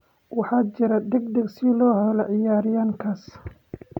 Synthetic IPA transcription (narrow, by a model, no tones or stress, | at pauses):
wɑħɑːt͡ʃɪɾɐd̪ɛɡd̪ɐɡsɪlɔːhɔlɔʕɪjaːɾɪjaːŋkʰɐs